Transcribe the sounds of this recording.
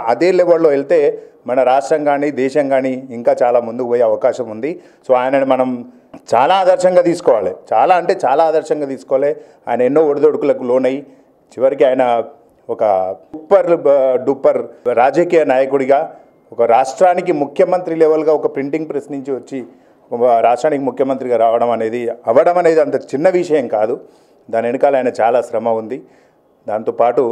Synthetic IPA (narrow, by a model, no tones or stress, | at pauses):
ɐd̪e̞ːleʋɐɾloːeɭt̪e̞ː | mɐnɐɾaːʂʈɾɐŋɡaːniːd̪ɛːʃɐŋɡaːniːŋkaːt͡ʃaːlaːmund̪ukʋoːjeɐʋɐkaːʃɐmund̪i | soːaːjɐnɐmɐnɐm | t͡ʃa̰ːlaːd̪ɐɾʃɐŋɡaːt̪iːsu̥kɔːʋaːlḭt͡ʃaːlaːɐɳʈe̞ːt͡ʃaːlaːd̪ɐɾʃɐŋɡaːt̪iːsu̥kɔʋaːle | aːjɐnɐenːo̞ːoɽud̪oɽukulɐkulo̞ːnɐji | t͡ʃiʋɐɾikiaːjɐnɐ | ɔkɐ̰pːɐɾɖupːɐɾɾaːd͡ʒɐkiːjɐnaːjɐkuɽiɡaː | ɔkɐɾaːʂʈɾaːnik̬imukʰjɐmɐnt̪ɾilɛːʋɐlɡaːɔkɐpɾiɳʈiŋɡpɾesniɲt͡ʃiʋɐt͡ʃːi | ɔkɐɾaːʂʈɾaːnikimukʰjɐmɐnt̪ɾiɡaːɾaːʋɐɽɐmɐne̞ːd̪iɐʋɐɽɐmɐne̞ːd̪iɐnt̪ɐt͡ʃinːɐʋiʂɐjɐmkaːd̪u | d̪aːneɽikaːlɐjɐnɐt͡ʃaːlaːsɾɐmɐund̪i | d̪aːnt̪oːpaːʈu